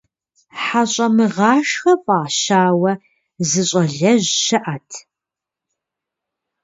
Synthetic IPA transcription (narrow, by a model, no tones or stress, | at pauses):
ħaɕʼɐmɨʁɑːʃxɐpʼaːʃaːwɐ | zɨɕʼɐɮɐʑɕɨʔatʰ